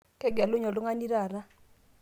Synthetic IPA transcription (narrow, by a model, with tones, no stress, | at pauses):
kɛ˦ɡɛ˨lʊ˦ɲɔ˨dʊ˦ŋa˦ni˦ɾa˦˨na˦